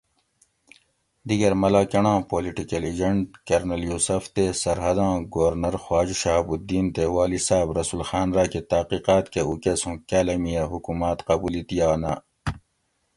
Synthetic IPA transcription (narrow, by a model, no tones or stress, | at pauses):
d̪iɡɐɾmɐlaːkɐɳãːpoːliʈikɐlid͡ʑɐɳʈkɐɾnɐljuːsɐft̪esɐɾɦɐd̪ãːɡoʋɐɾnɐɾxwaːd͡ʑʃaːbud̪iːnt̪ewaːlisaːbɾɐsulxaːnɾaːket̪ɐqiqaːt̪keukesũkaːlɐmijɐɦukumaːt̪qɐbuːlit̪ijaːna̰ː